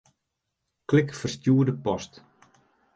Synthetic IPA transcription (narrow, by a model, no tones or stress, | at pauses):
klɪkfərstjuədəpɔst